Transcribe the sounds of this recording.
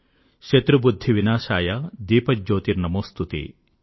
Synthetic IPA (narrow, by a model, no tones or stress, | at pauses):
ʃet̪ɾubud̪ʱːiʋinaːʃaːjad̪iːpɐd͡ʒoːt̪iɾnɐmoːst̪ut̪ḭ